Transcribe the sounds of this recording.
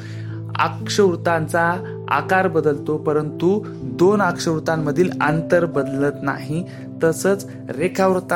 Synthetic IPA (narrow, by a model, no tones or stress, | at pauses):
a̰kʂəʋɾut̪ant͡sa | a̰kaɾbəd̪əlt̪opəɾənt̪u | d̪onakʂəʋɾut̪amːəd̪ʱiːla̰nt̪əɾbəd̪lət̪na̰ɦi | t̪əsəːt͡s | ɾekʰaʋɾt̪